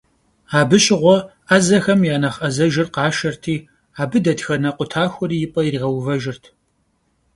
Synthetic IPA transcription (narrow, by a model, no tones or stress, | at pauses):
aːbɨɕʼɪʁʷɔ | aːzɐxɐmjaːnɐχʔɐzɐʒɪrqaːʃɐrtʰiː | aːbɨdɐdxɐnɐqʷʊtʰaːxʷɔɾiːjɪpʼɐɪriʁɐwvɐʒɪrtʰ